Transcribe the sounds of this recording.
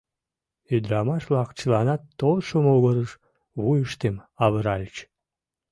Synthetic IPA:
yd̪ɾɑmɑʃlɑkt͡ɕəlɑnɑt̪ːolʃomouɣəɾəʃ | βujəʃt̪emɑβəɾɑlʲt͡ɕ

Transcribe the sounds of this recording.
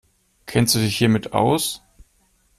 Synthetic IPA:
kʰɛnstd̥uːdɪçhiːɐmɪta̰ʊs

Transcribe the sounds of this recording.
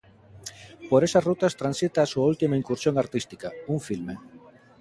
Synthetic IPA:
poɾesasrut̪ast̪ɾansit̪aːsuault̪imaiŋkuɾsjoŋaɾt̪ist̪ikauɱfilme

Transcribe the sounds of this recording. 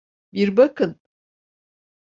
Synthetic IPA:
biɾbɐkɨn

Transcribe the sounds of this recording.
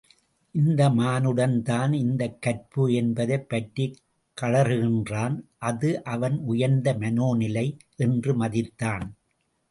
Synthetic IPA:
ʔɪnd̪ɐmaːnɯɽɐnt̪aːnɪnd̪ɐkːɐrpɯɛnbɐðɐɪpːɐʈri | kːɐɭɐɾɯɣɪndraːnʔɐðɯʔɐʋɐnʊjɐɾnd̪ɐmɐnoːnɪlɐɪʔɛndrɯmɐðɪt̪ːaːn

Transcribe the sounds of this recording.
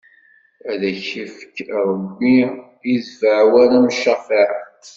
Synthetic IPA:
æðæçəfkɾˤəbːi | izvaʕwænæmʃəfaɾæ

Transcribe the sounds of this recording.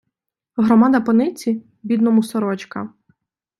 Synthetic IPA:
ɦɾɔmad̪ɐpɔnɪt͡sʲi | bʲid̪nɔmusɔɾɔt͡ʃkɐ̰

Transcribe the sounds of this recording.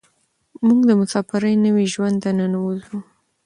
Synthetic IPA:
muɡd̪əmʊsɑfɪɾəjnəwiʒwand̪ananawulu

